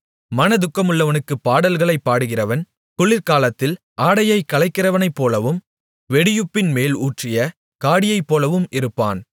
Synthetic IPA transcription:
mɐnɐd̪ʊkːɐmɯɭːɐʋɐnɯkːɯpːaːɽɐlɣɐɭɐɪpːaːɽɯɣɪrɐʋɐn | kʊɭːɪɾkaːlɐt̪ːɪl | ʔaːɽɐjɐɪkːɐlɐɪkːɪrɐʋɐnɐɪpːoːlɐʋɯm | ʋɛɽɪjɯpːɪnmeːluːʈrɪjɐ | kaːɽɪjɐɪpːoːlɐʋɯmʔɪɾɯpːa̰ːn

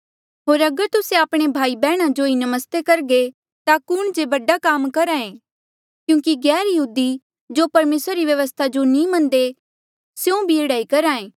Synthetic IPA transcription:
ɦoːɾɐɡəɾt̪ʊsẽaːpɽ̃ebʱaːibɛːɽ̃ãd͡ʒoinɐməst̪ekɐɾɡe | t̪akʊɽ̃d͡ʒebɐɖakaːmkɐɾãːẽː | kjũːkiɡɛːɾjɐɦuːd̪i | d͡ʒopɐɾmeːsɾaɾiʋjɐʋəst̪ʰad͡ʒonĩmɐ̃nd̪e | sjũbʱieɽaːikɐɾaːẽː

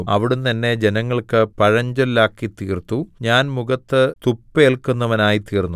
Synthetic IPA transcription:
ɐʋiɽumt̪ɐnːe̞d͡ʑe̞nɐŋːɐɭkɨpɐɻɐɲd͡ʑɐllaːkːit̪iːrt̪ːuɲaːnmuɣɐt̪ːɨt̪upːɨeɭkunːɐʋɐnaːjit̪iːrnːu

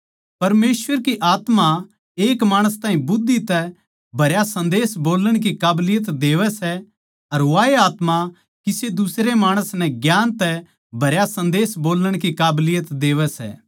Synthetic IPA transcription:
pɐɾmeːsʋəɾkiʔaːt̪ma | eːkmaːɽ̃əst̪ãːĩbʊd̪ːit̪ɛ | bʱɐɾjasɐ̃nd̪eːsboːləɽ̃k̬ikaːblɪjət̪d̪eːʋɛsɛ | ɐɾʋaːeaːt̪ma | kɪsed̪ʊsɾemaːɽ̃əsnɛɡjaːnt̪ɛ | bʱɐɾjasɐ̃nd̪eːsboːləɽ̃kikaːblɪjət̪d̪eːʋɛsɛ̰ː

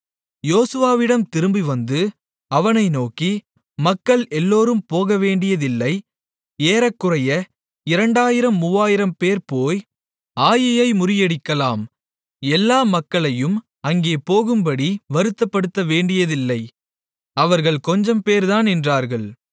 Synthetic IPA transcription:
joːsɯʋaːʋɪɽɐmt̪ɪɾɯmbiʋɐnd̪ɯ | ɐʋɐnɐɪnoːki | mɐkːɐɭɛlːoːɾɯmpoːɣɐʋeːɳɖɪjɐðɪlːɐɪ | eːɾɐkːɯrɐjɐ | ɪɾɐɳɖaːjɪɾɐmːʊʋaːjɪɾɐmpeːɾpoːj | aːjɐjɐɪmʊɾɪjɛɽɪkːɐlaːm | ɛlːaːmɐkːɐɭɐjɯm | ɐŋɡeːpoːɣɯmbɐɽiʋɐɾɯt̪ːɐpːɐɽɯt̪ːɐʋeːɳɖɪjɐðɪlːɐɪ | ɐʋɐɾɣɐɭkɔɲd͡ʒɐmpeːɾðaːnɛndraːɾɣɐɭ

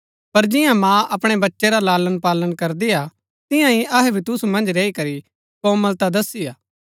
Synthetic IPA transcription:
pɐɾd͡ʒɪjãmãːʔɐpɽ̃ebɐtːʃeɾalaːlənpaːlənkɐɾd̪ia | t̪ɪjãɦiɐɦɛbʱit̪ʊsumɐ̃nd͡ʒɾeːikɐɾi | kõːməlt̪ad̪ɐsiaː

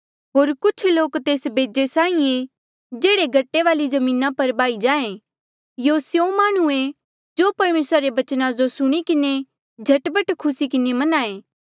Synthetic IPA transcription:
ɦoːɾkʊt͡ʃʰloːkt̪eːsbʱeːd͡ʒesãːĩe | d͡ʒeːɽeɡʱɐʈːeʋaːlid͡ʒɐmĩːnapɐɾbaːid͡ʒaːẽ | joːsjõmaːɽ̃ue | d͡ʒopɐɾmeːsɾaɾebɐt͡ʃnãd͡ʒosʊɽ̃ikɪne | d͡ʒʱɐʈbəʈkʰʊsikɪnemɐnaːẽː

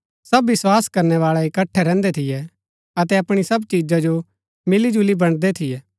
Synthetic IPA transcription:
sɐbːɪswaːskɐɾnɛʋaːɭɛɪkɐʈʰːɛɾɛ̃ːnd̪et̪ʰɪjɛ | ɐt̪̬ɛɐpɽ̃isɐbt͡ʃiːd͡ʒad͡ʒo | mɪlid͡ʒulibɐɽ̃d̪et̪ʰɪjɛː

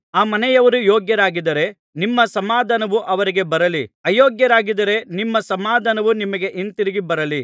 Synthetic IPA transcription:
aːmɐnɛjɐʋɐɾujoːɡjɐɾaːɡid̪ɐɾe̞ | nimːɐsɐmaːd̪ʱanɐʋuʔɐʋɐɾiɡe̞bɐɾɐliɐjoːɡjɐɾaːɡid̪ɐɾe̞nimːɐsɐmaːd̪ʱanɐʋunimɐɡe̞ʔint̪iɾiɡibɐɾɐli

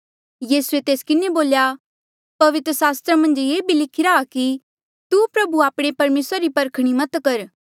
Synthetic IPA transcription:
jiːsuet̪eːskɪneboːlja | pɐʋɪt̪ɾəsaːst̪ɾamɐ̃nd͡ʒjeːbʱilɪkʰɪɾaːki | t̪upɾɐbuaːpɽ̃epɐɾmeːsɾaɾipɐɾkʰɽ̃imɐt̪kɐɾ

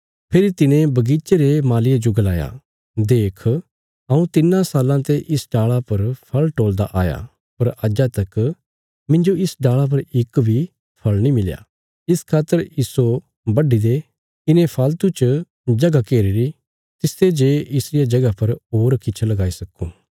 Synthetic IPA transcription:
pʰɪɾit̪ɪnẽbɐɡit͡ʃeɾemaːlɪjad͡ʒoɡɐlaːja̰ | d̪eːkʰ | ɐũt̪ɪnãsaːlãt̪eʔɪsɖaːɭapɐɾpʰɐlʈoːld̪a̰ʔaːja̰ | pɐɾɐd͡ʒat̪ɐk | mɪ̃ɲd͡ʒoɪsɖaːɭap̬ɐɾɪkbʱi | pʰɐlnĩmɪlja̰ː | ɪskʰaːt̪ːəɾiːso | bɐɖid̪e | ɪnẽpʰaːlt̪ut͡ʃ | d͡ʒɐɡakeːɾiɾi | t̪ɪst̪ed͡ʒeːɪsɾɪjad͡ʒɐɡapɐɾɦoːɾkɪt͡ʃʰlɐɡaːisɐkːũː

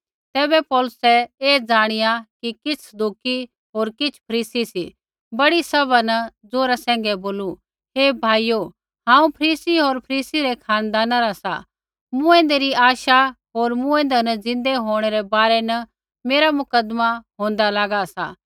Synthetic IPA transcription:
t̪ɛːbɛpɔːlʊsɛeːd͡zaːɽ̃ɪjakikɪt͡sʰd̪ʱʊki | ɦoːɾkɪt͡sʰpʰɐɾiːsisḭ | bɐɽisɐbanɐd͡zoːɾasɛ̃ːŋ̆ɡɛboːlu | ɦeːbʱaːijo | ɦãːũpʰɐɾiːsiɦoːɾpʰɐɾiːsiɾɛkʰaːnd̪aːnaɾasa̰ | mũẽːnd̪eɾiaːʃa | ɦoːɾmũẽːnd̪ɛnɐd͡zɪ̃nd̪eɦoːɽ̃ɛɾɛbaːɾɛnɐ | meːɾamʊkəd̪maɦõːnd̪alaːɡasa̰

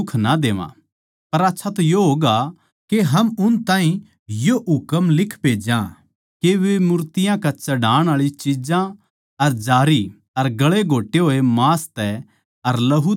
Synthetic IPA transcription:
ʊkʰnad̪eːʋã̰ | pɐɾaːtːʃʰat̪ɐjoɦoːɡa | keɦɐmʊnt̪ãːɦĩ | joʔʊkəmlɪkʰpeːd͡ʒã̰ | keʋemʊɾt̪ɪjãkat͡ʃɐɖaːɽ̃aːɭit͡ʃid͡ʒã | ɐɾd͡ʒaːɾi | ɐɾɡɐɭeɡʱoːʈːeɦoːemaːst̪ɛ | ɐɾlɐɦ

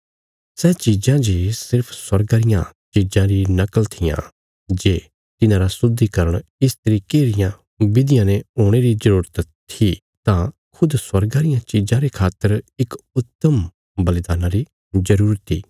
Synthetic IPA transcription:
sɛːt͡ʃid͡ʒãd͡ʒesɪɾpʰswɐɾɡaːɾɪjã̰t͡ʃid͡ʒãɾinɐkəlt̪ʰɪjã̰ | d͡ʒeː | t̪ɪnãːɾasʊd̪ʱːikɐɾəɽ̃ɪst̪əɾiːkeːɾɪjã | bɪd̪ɪjãnẽɦoːɽ̃eɾid͡ʒɐɾuːɾət̪ʰː | i | t̪ã | kʰʊd̪swɐɾɡaːɾɪjãt͡ʃɪd͡ʒãɾekʰaːt̪ːəɾɪkʊt̪ːəm | bɐlɪd̪aːnãɾi | zɐɾuːɾət̪ʰːḭː

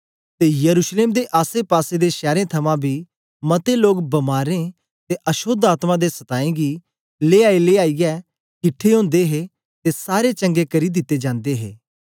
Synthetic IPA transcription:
t̪ejɐɾuːʃleːmd̪eʔaːsepaːsed̪eʃɛːɾẽt̪ʰɐmãbʱi | mɐt̪eloːkbɐmaːɾẽ | t̪eʔɐʃoːd̪aːt̪mãd̪esɐt̪aːẽɡi | leːaːileaːijɛ | kɪʈʰːeɦõːnd̪eɦe | t̪esaːɾet͡ʃɐ̃ŋɡekɐɾid̪ɪt̪ːed͡ʒãːnd̪eɦḛː

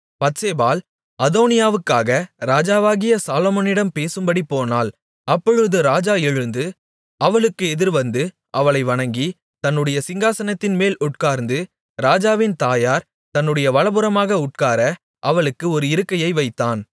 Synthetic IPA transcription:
pɐt̪seːbaːl | ɐðoːnɪjaːʋɯkːaːɣɐɾaːd͡ʒaːʋaːɣɪjɐsaːloːmɔnɪɽɐmpeːsɯmbɐɽipːoːnaːl | ɐpːɔɻɯðɯɾaːd͡ʒaːɛɻɯnd̪ɯ | ɐʋɐɭɯkːɯɛðɪɾʋɐnd̪ɯ | ʔɐʋɐɭɐɪʋɐɳɐŋɡi | t̪ɐnːɯɽɐjɐsɪŋɡaːsɐnɐt̪ːɪnmeːlʔʊʈ̚kaːɾnd̪ɯ | ɾaːd͡ʒaːʋɪnt̪aːjaːɾ | t̪ɐnːɯɽɐjɐʋɐɭɐbɯɾɐmaːɣɐʊʈ̚kaːɾɐ | ʔɐʋɐɭɯkːɯɔɾɯɪɾɯkːɐjɐɪʋɐɪt̪ːaːn

